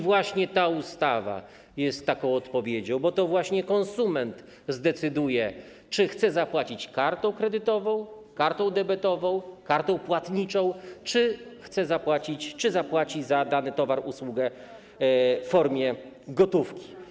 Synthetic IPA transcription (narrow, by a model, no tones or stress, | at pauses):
vwaɕɲɛt̪aust̪ava̰ | jɛst̪ːakɔ̃w̃ɔt̪pɔvʲjed͡ʑɔ̃w̃bɔt̪ɔvwaɕɲɛkɔnsumɛnt̪ | zd̪ɛt̪sɘd̪ujɛ | t͡ʂɘxt̪sɛzapwat͡ɕit͡ɕkaɾt̪ɛ̃w̃kɾɛd̪ɘt̪ɔvɔ̃w̃ | kaɾt̪ɔ̃w̃d̪ɛbɛt̪ɔvɔ̃w̃kaɾt̪ɔ̃w̃pwat̪ɲit͡ʂɔ̃w̃t͡ʂɘxt̪sɛzapwat͡ɕit͡ɕt͡ʂɘzapwat͡ɕizad̪anɘt̪ɔvaɾuswuɡɛ | ffɔɾmʲjɛ | ɡɔt̪ufkʲi̥